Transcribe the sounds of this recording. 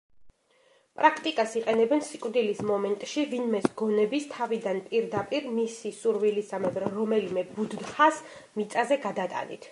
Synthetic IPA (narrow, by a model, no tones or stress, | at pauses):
pʼɾakʰt̪ʼikʼasiqʼɛnɛbɛnsikʼwvd̪ilismɔmɛnt̪ʼʃivinmɛsɡɔnɛbist̪ʰavid̪anpʼiɾd̪apʼiɾmisisuɾvilisamɛbɾɾɔmɛlimɛbud̪nχasmit̪sʼazɛɡad̪at̪ʼa̰nḭt̪ʰ